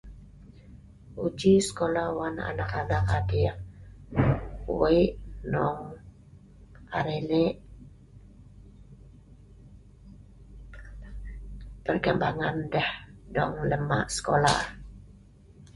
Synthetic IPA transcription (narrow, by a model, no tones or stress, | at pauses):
ud͡ʒisə̥kolawana̰nakanakadi | wiʔnɔŋ | aɾeleʔ | pərɡəmbaŋandɛhdɔŋləma̰ʔsə̥kola̰